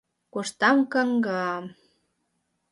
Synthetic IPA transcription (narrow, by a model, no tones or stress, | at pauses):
koʃt̪ɑmkɑŋɡɑm